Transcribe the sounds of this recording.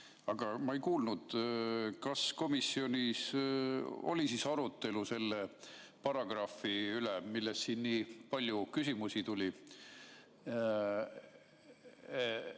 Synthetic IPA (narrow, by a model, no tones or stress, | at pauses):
ɑɡ̥ɑmɑejkuːlnud̪̥kɑsko̞misːio̞nʲis | o̞̰lʲisisɑɾut̪ːˑe̞luse̞lːe | pɑrɑɡ̥rɑfiylemilːessiːnːiːpɑlʲjukysimusit̪ulʲi